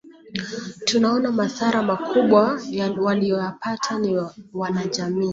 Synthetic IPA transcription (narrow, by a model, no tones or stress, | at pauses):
tunaɔnamaθaɾamakʰuɓwawalijɔjapatʰaniwanaʄamiː